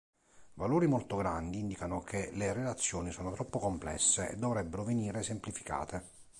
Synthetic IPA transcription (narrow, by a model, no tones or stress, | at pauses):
valoːɾimolt̪oɡɾand̪iind̪ikanok̟elerelat̪sːjoːnisɔːnot̪ɾɔpːokomplɛ̰sːeɛ̰d̪ːovɾɛbːeɾoveniːɾesemplifi̥ka̰ːt̪ʰe